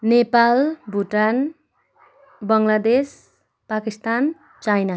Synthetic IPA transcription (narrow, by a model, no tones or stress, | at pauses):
nepalbʱuʈan | bʌŋlad̪es | pakist̪an | t͡ʃajna